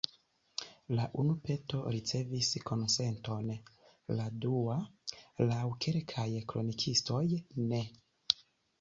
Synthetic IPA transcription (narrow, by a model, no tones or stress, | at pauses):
laʔunupe̞to̞ɾit͡se̞visko̞nse̞nto̞n | ladualawkʰelkʰajkɾo̞nikʰisto̞jne̞